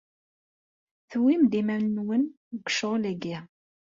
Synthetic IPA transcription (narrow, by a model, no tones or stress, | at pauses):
θwimd̪imænnwən | ɡʷʃoʁlæɡi